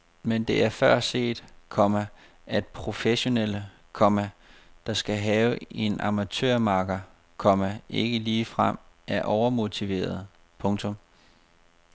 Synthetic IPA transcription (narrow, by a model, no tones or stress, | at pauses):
mend̥e̝ʔæɐfɶɐ̰se̝̰ːd̥kʰɒ̽mæ | æd̥pʰʁo̝feɕo̝nel̰ə | kʰɒ̽mæd̥ɑ̈sɡ̥æɦɛːʊe̝nʔɑ̈mæt͡sʰø̰ːɐ̰mɑ̈ːɡ̥ɐ | kʰɒ̽mæʔe̝ɡ̥əliːfʁam̰æɐʔɒʊɐmo̝t͡sʰiʋe̝̰ːɐðˠ | pʰɔ̽ŋt͡sʰɔ̽m